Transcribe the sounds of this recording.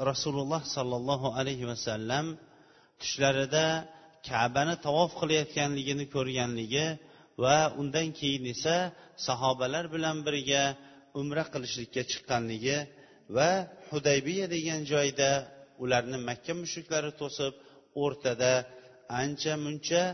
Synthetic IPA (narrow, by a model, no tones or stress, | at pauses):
ɾɑsulʊlˠːɑhsɒlˠːɑlˠːɒɦʊalajɦɪwasalːam | t̪ʰʊ̥ʃlaɾɪd̪akʲʰaʕbanɪt̪ʰɒwɒfqʰɨlˠajɒt̪kʲanlɪɡʲɪnɪkʰɵɾɡʲanlɪɡʲɪ | vaʊnd̪ankʲʰe̞jɪne̞sasɒɦɒbalaɾbɪlanbɪɾɪɡʲa | ʊmɾaqʰɨlˠɪʃlɪkʲːat͡ʃʰɨ̥qːɑnlɪɡʲɪ | vahʊd̪ajbɪjad̪e̞ɡʲand͡ʒɒjd̪aʊlaɾnɪmakʲʰːamʊʃʊkʲlaɾɪt̪ʰosɪp̚ | oɾt̪ʰad̪a | ant͡ʃʰamʊnt͡ʃʰa